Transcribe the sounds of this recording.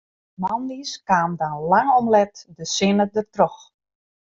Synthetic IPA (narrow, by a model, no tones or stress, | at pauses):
mɔndiskaːmdanlaŋɔmlɛtdəsɪnədərtrɔx